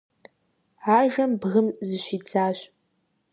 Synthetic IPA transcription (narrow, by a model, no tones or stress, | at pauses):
ʕaːʒɐmbɣɨmzɨɕʷid͡zaːɕ